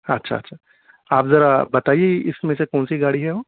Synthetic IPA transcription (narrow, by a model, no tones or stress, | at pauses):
ɐtːʃʰa̰ɐtːʃʰa | aːpzɐɾabɐt̪aːieɪsmẽsekɔːnsiɡaːɽiɦɛɦoː